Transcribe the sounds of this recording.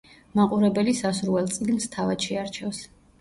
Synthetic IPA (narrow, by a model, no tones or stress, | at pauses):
maqʼuɾɛbɛlisasuɾvɛlˠt̪sʼiɡnst̪ʰavad̪̥ʃɛaɾt͡ʃʰɛfs